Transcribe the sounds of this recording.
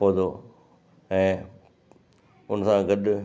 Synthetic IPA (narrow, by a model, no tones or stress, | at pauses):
od̪oː | ɛ̃ː | ʊnsãɡɐɗ